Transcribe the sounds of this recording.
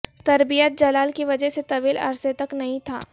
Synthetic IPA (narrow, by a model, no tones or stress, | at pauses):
t̪ɐɾbijət̪̚d͡ʒɐlaːlkiʋɐd͡ʒəɦset̪ɐbiːlɐ̰ɾset̪ɐknɐɦĩt̪ʰa̰ː